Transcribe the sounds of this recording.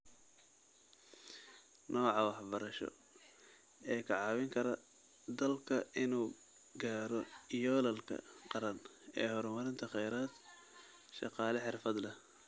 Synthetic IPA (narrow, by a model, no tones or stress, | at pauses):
nʔɔːʕɑwɑħbɐɾɐʃɔ̰ | ɛːkʰɐʕɑːwɪŋkʰɐɾɐ | d̪ɐlkʰɐʔɪnuː | ɡaːɾɔjɔːlɐlkʰɐ̰qɑɾɐnɛ̰ːhɔɾmɐɾɪnt̪ʰɐχɛjɾaːd̪ | ʃɑ̰qɑːlɐħɪrfɐd̪lɐ